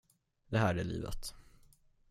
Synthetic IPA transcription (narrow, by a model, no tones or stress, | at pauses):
d̪ɛɦæːɖɛlḭːvə̰t̪